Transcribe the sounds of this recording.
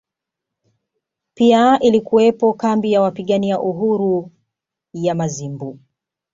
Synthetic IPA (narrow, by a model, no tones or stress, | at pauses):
piaʔilikuwɛpɔkambijawapiɠaniaʔuɦuɾu | jamazimbu